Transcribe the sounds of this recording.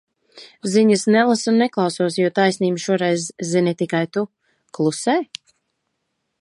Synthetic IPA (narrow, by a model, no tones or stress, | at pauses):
ziɲɨsnɛlˠasunːɛklˠɑwsuɔsjuɔt̪ajsʲniːmʃuɔɾɛjzːinit̪ikajt̪u | klˠusɛː